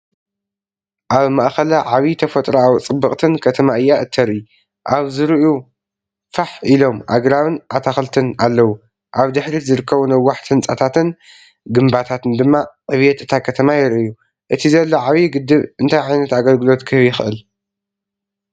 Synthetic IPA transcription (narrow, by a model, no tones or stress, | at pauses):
ʔaβmaʔxɐlɐʕaβit̪ʰɐfɐt̪ʼɾoawt͡sʼɨbːɨkʼt̪ʰɨnkʰɐt̪ʰɐmaʔɨjːaʔɨt̪ʰːɐɾʔi | ʔaβzɨɾɨʔu | faħilo̞mʔa̰ɡɾaβɨnʔat̪ʰaxlt̪ʰɨnalːɐwu | ʔaβd̪ɨħɾizɨɾɨkʰːɐβunɐwːaħt̪ʰɨnt͡sʼat̪ʰat̪ɨn | ɡɨmbat̪ʰat̪ɨnd̪ɨmːaqʼɨβjɛt̪ɨt̪ʰakʰɐt̪ʰɐmajɪɾʔɨju | ʔɨt̪ʰizɐlːoʕaβiɡɨd̪ːɨβʔɨnt̪ʰajʕajnɐt̪aɡɐlɡɨlo̞t̪kʰɨhβjɪxɨʔɨl